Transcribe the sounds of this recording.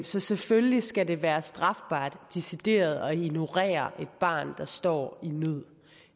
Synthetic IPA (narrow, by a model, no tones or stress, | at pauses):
msɒ̽seføllisɡ̥æde̝ʋæːɐsd̥ʁɑ̈fb̥ɑ̰̈ːd̥ːisid̥e̝̰ːɐð̞̩ˠɒ̽ino̝ʁɛ̰ːɐʔe̝d̥̚b̥ɑ̰̈ːnd̥ɑ̈sd̥ɒ̰ːinøð̰ˠ